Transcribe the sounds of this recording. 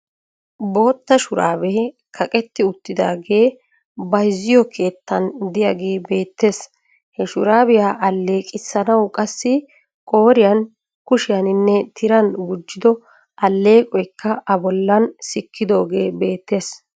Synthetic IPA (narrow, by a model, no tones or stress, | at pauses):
bo̞ːt̪ːɐʃʊɾa̰ːbɛ | kʰɐkʼɛt̪ːɪʊt̪ːɪd̪a̰ːɡe̞ː | bɐjzːɪjɔkʰe̞ːt̪ːɐnd̪ɪjaɡe̞ːbe̞ːt̪ːe̞ːs | hɛʃʊɾaːbɪjaːʔɐlːe̞ːkʼɪsːɐnɐwkʼɐsːɪ | kʼo̞ːɾɪjɐn | kʊʃɪjɐnɪnːɛt̪ʰɪɾɐnbʊd͡ʒːɪd̪ɔ | ʔɐlːe̞ːkʼɔjkːɐʔɐbɔlːɐnsɪkʰːɪd̪o̞ːɡe̞ːbe̞ːt̪ːe̞ːs